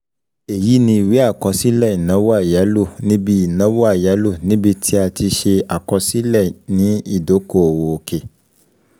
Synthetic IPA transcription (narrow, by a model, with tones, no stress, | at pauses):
e˨ji˨˦nĩ˧i˨wi˦a˦˨kɔ̃˧si˦lɛ˦˨i˨nã˨˦wo˦a˦˨ja˨˦lo˦˨nĩ˦bi˧i˨nã˨˦wo˦a˦˨ja˨˦lo˦˨nĩ˦bi˧tʰi˦a˧ti˧ʃe˧a˨kɔ˧si˦lɛ˦˨nĩ˨˦i˦˨do˨˦ko˦˨o˨wo˨o˧ke˨